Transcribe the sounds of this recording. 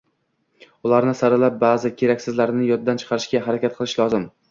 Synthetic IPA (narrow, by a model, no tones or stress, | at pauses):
ʊlˠaɾnɪsaɾɪlap̚baːzɪkʲʰe̞ɾakʲsɪzlaɾnɪjɒd̪̚d̪ant͡ʃʰɨ̥qʰɑɾɪʃɡʲaɦaɾakʲat̪̚qʰɨlˠɪʃlˠɒzɪm